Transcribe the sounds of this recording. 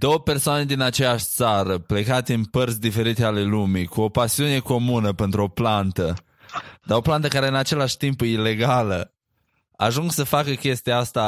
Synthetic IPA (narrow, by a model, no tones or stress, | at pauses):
d̪̥o̞wəpe̞rsoane̞d̪inat͡ʃe̞jaʃʲt̪saɾəple̞kat̪eɨnpərt̪sʲd̪ife̞ɾit̪eale̞lumikuo̞pasiune̞ko̞munəpent̪ɾuo̞plant̪ə | d̪aɾo̞plant̪əkaɾe̞ɨnat͡ʃe̞laʃʲt̪impile̞ɡalə | a̰ʒuŋɡsəfakəkʲe̞st̪iaast̪a